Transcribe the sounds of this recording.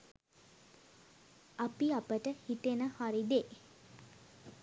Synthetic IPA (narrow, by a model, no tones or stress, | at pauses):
apiapəʈəhit̪enəhaɾid̪e